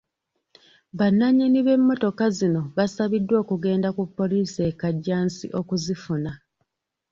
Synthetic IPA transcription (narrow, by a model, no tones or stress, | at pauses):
βanːaɲiniβe̞mːo̞to̞kazino̞βasaβidːwo̞ːkuɡe̞ːndakupːo̞liːsiekaɟːaːnsḭʔo̞kuzifuna